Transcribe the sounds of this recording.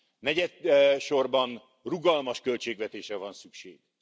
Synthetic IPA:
nɛɟɛd̪ʃo̞rbɒn | ruɡɒlmɒʃkø̞lt͡ʃeːɡvɛt̪eːʃrɛvɒnsykʃeːɡ̥

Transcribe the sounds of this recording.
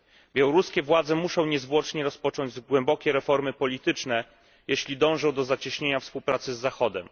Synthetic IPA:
bʲjawɔɾuskʲɛvwad̪zɛmuʂɔ̃w̃ɲɛzvwɔt͡ʂɲɛɾɔspɔt͡ʂɔɲd͡ʑɡwɛmbɔkʲɛɾɛfɔɾmɘpɔlʲit̪ɘt͡ʂnɛ | jeɕlʲid̪ɔ̃w̃ʐɔ̃w̃d̪ɔzat͡ɕiɕɲeɲafspuwpɾat̪sɘzːaxɔd̪ɛm

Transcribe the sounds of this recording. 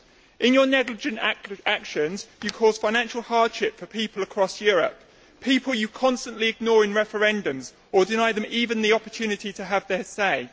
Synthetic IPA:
ʔɪ̃njənɛɡlɪd͡ʒə̃ntakʃə̃nz̥jəkʰɔːz̥fãɪnãnʃəlˠhɑːd̥ʃɪpfəpʰiˑpələkʰɹ̥ɒsjɔːɹə̰p̚ | pʰiˑpʰəlˠjəkʰɒ̃nstə̃nʔliɪɡ̚nɔːɹɪ̃nɹɛfəɹɛ̃ndə̃mz | ədɪnaɪðə̃miːvə̃nðiɒpətʰʉːnɪtitʰəːvðəseɪ

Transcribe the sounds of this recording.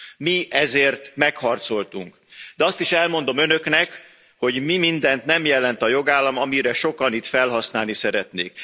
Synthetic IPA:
miɛzeːrt̪mɛkhɒrt̪so̞lt̪uŋk | d̪̥ɛɒst̪iʃɛlmo̞nd̪o̞mø̞nø̞knɛk | ho̞ɟmimind̪ɛnt̪nɛmjɛlɛnt̪ɒjo̞ɡaːlːɒmɒmiɾɛʃo̞kɒnit̪fɛlɦɒsna̰ːlnisɛɾɛt̪neːk

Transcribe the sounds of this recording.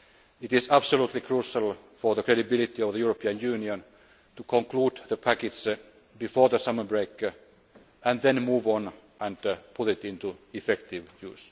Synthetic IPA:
ɪt̪ɪsæbsolut̪likʰɹuːʃəlˠ | fɔðəkʰɹeɾibɪlit̪iɔvðəjuɹəpʰiə̃njʉːniə̃n | t̪ukʰɔ̃ŋkluːd̪ðəpʰækɪds | bifoːɹðəsʌmə˞bɹeɪk | æ̃nðɛ̃nmuːvə̃n | ʔæ̃ndpʰʊt̪ɪt̪ɪ̃nt̪uɪfɛkt̪ɪʋjʉ̰ːs

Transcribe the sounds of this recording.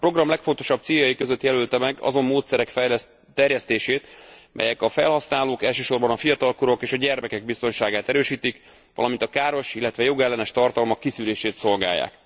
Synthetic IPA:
pɾro̞ɡrɒmlɛkfo̞nt̪o̞ʃɒb̚t̪siːjɒjikø̞zøt̪jɛlylt̪ɛmɛɡɒ̰zo̞mːoːt̪sɛɾɛkfɛ | t̪ːɛrjɛst̪eːʃeːt̪mʔɛ̰jɛkɒfɛlhɒsnaːloːkɛlʃøːʃo̞rbɒnɒfijɒt̪ɒlkuɾo̞keːʃɒɟɛrmɛkɛɡ̚bist̪o̞nʃaːɡaːt̪ɛɾøːʃiːt̪ik | ʋɒ̰lɒmint̪ɒkaːɾo̞ʃilːɛt̪ʋɛjo̞ɡɛlːɛnɛʃt̪ɒrt̪ɒlmɒkːisyleːʃeːt̪so̞lɡa̰ːjːa̰ːk

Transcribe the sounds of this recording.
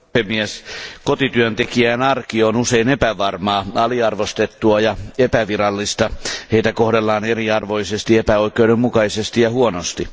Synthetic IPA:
emieskot̪it̪yønt̪ekiæːnɑrkionuseinepæʋɑrmɑːɑliɑrʋost̪et̪ːuɑjɑepæʋirɑlːist̪ɑheit̪ækohdelːɑːneriɑrʋo̞isest̪iepæoikˑeudemukɑisest̪ijɑhuonost̪i

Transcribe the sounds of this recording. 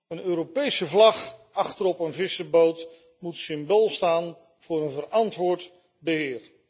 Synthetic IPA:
ənøːɾopejsəvlɑχɑχtəɾɔpənvɪsəbowt | mutsɪmbolˠstaːn | v̥ʊːɾənvərɑntʋʊːɹt | bəɦɪːɹ

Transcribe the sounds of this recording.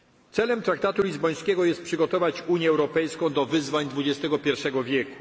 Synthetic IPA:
t̪sɛlɛmt̪ɾak̚t̪at̪ulʲizbɔj̃skʲɛɡɔjɛst̪̚pʂɘɡɔt̪ɔvat͡ɕuɲjɛːwɾɔpɛjskɔ̃w̃d̪ɔvɘzvaɲd̪vud͡ʑɛst̪ɛɡɔpʲjɛɾfʂɛɡɔvʲjɛku̥

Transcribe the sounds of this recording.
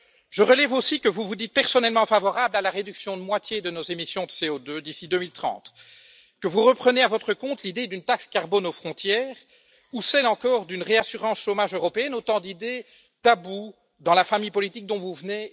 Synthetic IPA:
ʒəʁəlɛvosikəvuvud̪it̪̚pɛʁsɔnɛlmɑ̃favɔʁablalaʁed̪yksjɔ̃d̪əmwat̪jed̪ənozemisjɔ̃d̪əseod̪ød̪isid̪ømilt̪χɑ̰̃t̪ | kəvuʁəpχəneavɔt̪χəkɔ̃t̪lid̪ed̪ynt̪akskaʁbɔnofχɔ̃t̪jɛːʁ | usɛlɑ̃kɔʁd̪ynʁeasyʁɑ̃sʃomaʒøʁɔpeɛnot̪ɑ̃d̪id̪e | d̪̥abu | d̪ɑ̃lafamijpɔlit̪ik̚d̪ɔ̃vuvəne

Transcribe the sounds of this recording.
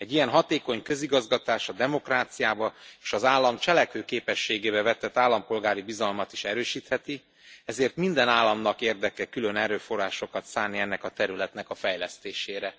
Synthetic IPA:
ɛɟijɛnɦɒt̪eːko̞ɲkøziɡɒzɡɒt̪aːʃɒd̪ɛmo̞kraːt̪sijaːbɒeːʃɒzaːlːɒmt͡ʃɛlɛkhøːkeːpɛʃːeːɡeːβɛvɛt̪ːɛt̪ːaːlːɒmpo̞lɡaːɾibizɒlmɒt̪i̥ʃɛɾøːʃiːt̪hɛt̪i | ɛzeːrt̪mind̪ɛnaːlːɒmnɒkeːrd̪ɛkɛkylø̞nɛɾøːfo̞rːaːʃo̞kɒt̪saːniɛnːɛkɒt̪ɛɾylɛt̪nɛkɒfɛjlɛst̪eːʃeːɾɛ

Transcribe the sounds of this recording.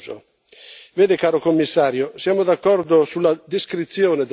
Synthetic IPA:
o̰ | veːd̪ɪkaːɾokomːisːaːɾjosjaːmod̪akːɔrd̪osulːad̪iskɾit̪sːjoːned̪

